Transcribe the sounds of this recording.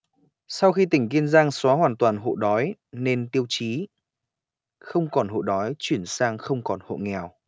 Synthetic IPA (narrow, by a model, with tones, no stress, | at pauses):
sa˧wxi˧t̪ï˧˩ŋ̟ki˧ənzaː˧ŋswa˨˦ɦwaː˨˩nt̪waː˨˩nɦo̰˧˨ɗɔ˨˦jne˧nt̪i˧əwt͡ɕi˨˦ | xə˧wŋ͡mkɔ˨˩nɦo̰˧˨ɗɔ˨˦jt͡ɕwi˧˩ənsaː˧ŋxə˧wŋ͡mkɔ˨˩nho̰˧˨ŋɛ˨˩w